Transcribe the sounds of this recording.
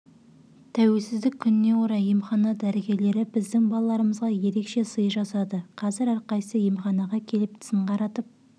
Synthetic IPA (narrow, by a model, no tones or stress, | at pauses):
t̪ʰæwe̞lsɪzd̪ɪkʲʰːʏnɪne̞wo̞ɾɑjimχɑnɑd̪æɾeɡʲe̞ɾle̞ɾɪbɪzd̪ɪŋbɑlˠɑlˠɑɾəməzʁɑje̞ɾe̞kʃe̞səjəʒɑsɑd̪əqʰɑzɪɾɑɾqɑjsəjemχɑnɑʁɑkʲʰe̞lɪp̚t̪ʰɪ̥sɪɴqʰɑɾɑt̪əp̚